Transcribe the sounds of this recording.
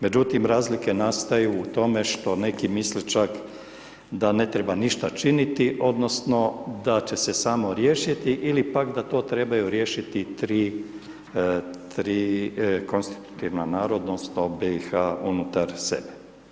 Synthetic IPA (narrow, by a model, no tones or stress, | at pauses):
me̞d͡ʒut̪imɾaːzlike̞nast̪ajuːt̪o̞me̞ʃt̪o̞ne̞kimislit͡ʃak | d̪ane̞t̪ɾebaniʃt̪at͡ʃinit̪iʔo̞d̪no̞sno̞d̪at͡ʃe̞se̞saːmo̞ɾje̞ːʃit̪iʔilipakd̪at̪o̞ːt̪ɾe̞bajuɾje̞ːʃit̪it̪ɾiː | t̪ɾiːko̞nst̪i̥t̪u̥t̪iʋnanaːɾod̪nosnobeixaunut̪aɾsḛbe